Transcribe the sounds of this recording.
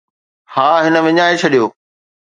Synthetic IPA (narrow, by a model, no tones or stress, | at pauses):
haːɦɪnəʋɪɲaːet͡ɕʰɐɗijoː